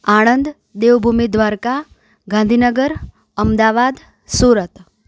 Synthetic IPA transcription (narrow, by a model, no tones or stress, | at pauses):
aɽ̃ənd̪ | d̪eʋbʱumid̪ʋaɾka | ɡãnd̪ʱinəɡəɾ | əmd̪aʋad̪ | suɾət̪